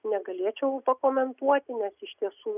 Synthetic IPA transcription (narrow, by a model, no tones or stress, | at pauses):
nʲɛɡɐlʲeːt͡ʃʲɛʊpɐkoːmʲɛnt̪uɔt̪ʲɪnʲɛsɪʃʲt̪ʲiɛsuː